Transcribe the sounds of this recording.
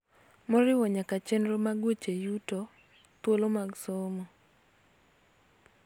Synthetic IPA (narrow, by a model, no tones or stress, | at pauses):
mɔɾɪwɔɲakat͡ʃenɾomaɡwot͡ʃejutɔ | t̪wolomaɡsomɔ